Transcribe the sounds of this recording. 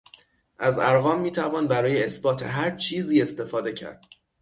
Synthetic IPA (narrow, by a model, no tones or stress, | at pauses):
ʔæzæɾɣɒːmːiːt̪ʰævɒːnbæɾɒːjeːsbɒːt̪ʰe̞̰ɦæɾt͡ʃʰiːziːe̞st̪e̞fɒːd̪e̞cʰæ̰ɾd̪̥